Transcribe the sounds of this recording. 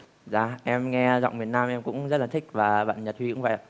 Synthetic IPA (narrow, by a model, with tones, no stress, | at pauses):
zaː˧˨˩ʔɛ˧mŋɛ˧zɔ̰˧˨wŋ͡mmi˨˩ənːaː˧mʔɛ˧mkʊ̰˧˥ŋ͡mzə˦˥t̚laː˨˩t̪ʰï˦˥k̟̚vaː˨˩ɓa̰ː˧˨nɲə˨˩t̚hwi˧kʊ̰˧˥ŋ͡mvə̰˧˨jʔa̰ː˧˨